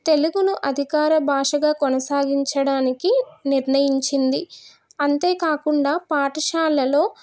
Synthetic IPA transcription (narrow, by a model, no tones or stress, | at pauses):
t̪e̞luɡunuʔɐd̪ʱikaːɾɐbʱaːʂɐɡaːkɔnɐsaːɡiɲt͡ʃɐɽaːnikiniɾɳɐjiɲt͡ʃind̪i | ɐnt̪e̞ːkaːkuɳɖaːpaːʈɐʃaːlːɐlo̞ː